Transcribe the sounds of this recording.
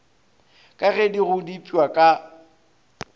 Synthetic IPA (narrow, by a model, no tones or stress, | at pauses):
kʼaɣɛdiɣʊdipʼiwakʼa